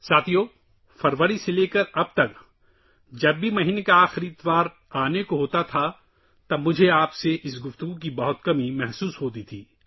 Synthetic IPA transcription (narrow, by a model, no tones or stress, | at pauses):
saːt̪ʰijoː | fɐɾʋəɾiseleːkɐɾɐb̚t̪ɐk | d͡ʒɐbːimɐɦiːnekaaːxɪɾiɪt̪ʋaːɾ | aːnekoɦoːt̪at̪ʰa | t̪ɐmʊd͡ʒʱeaːpseʔɪsɡʊft̪ʊɡuk̬ibɐɦʊt̪kɐmimɛɦsuːsɦoːt̪̬it̪ʰiː